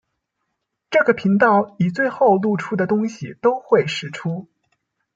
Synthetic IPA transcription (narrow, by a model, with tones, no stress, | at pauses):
ʈ͡ʂɤ˥˩ɡə˩pʰi˧˥ŋt̪ɑ˥˩ʊi˨˩t͡swe˥˧ɪxo˥˧ʊlu˥˩ʈ͡ʂʰu˥d̪ə˨t̪ʊ˥ŋɕi˨˩t̪o˥ʊxwe˥˩ɪʂɻ̩˨˩ʈ͡ʂʰu˥